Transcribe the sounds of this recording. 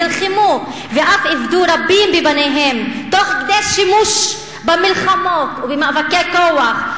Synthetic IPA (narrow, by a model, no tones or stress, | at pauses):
elχimu | veʔafivd̪uɾabimbibaneɦemt̪oχkd̪elʃimuʃ | bamilχamot̪ubemavakekowaχ